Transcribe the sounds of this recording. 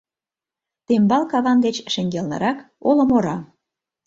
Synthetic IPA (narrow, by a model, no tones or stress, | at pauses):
t̪embɑlkɑβɑnd̪et͡ɕʃĕŋɡelnə̰ɾɑk | olə̆moɾɑ